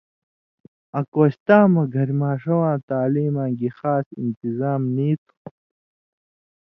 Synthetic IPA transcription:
ɐkoːɕt̪aːmɐɡʱɐɾmaːʂɐwãːt̪aːliːmãːɡixaːsḭnt̪izaːmniːt̪ʰu̥

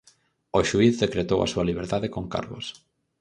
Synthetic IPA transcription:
oʃuiθðekɾet̪owʔɐ̰suɐliβ̞eɾt̪aðekoŋka̰ɾβo̰s

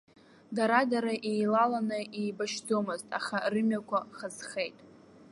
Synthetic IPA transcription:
daɾadaɾaʔejlalanɨʔijbaʃtʰomɨztʼa̰χarɨmjakʷʰaχazχe̞jtʼ

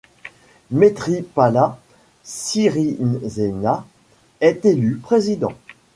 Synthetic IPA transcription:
met̪χipala | siʁinzena | ɛt̪elypχezid̪ɑ̰̃

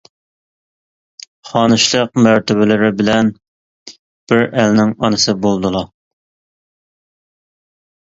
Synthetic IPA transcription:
χɑːnɨʃlˠəq̚mæɾt̪ɪβɪlɪɾɪbɪlɛn | b̥ɪɾælnɪŋɑnɨsɨbolˠd̪ɨlˠɑ

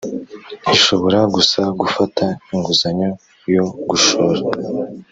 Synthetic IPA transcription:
iʃo̞βo̞ɾaɡusaɡufatʰaiŋɡuzaɲo | jo̞ɡuʃoɾa

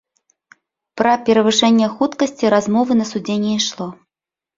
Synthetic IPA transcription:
pɾɐpʲɛɾɐvɨʂɛnʲːɛxut̪kɐsʲt͡sʲiɾazmɔvɨnɐsud͡zʲenʲːɛiʂlˠɔ

